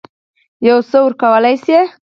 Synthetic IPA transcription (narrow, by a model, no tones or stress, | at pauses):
jawsəwəɾkawəlajse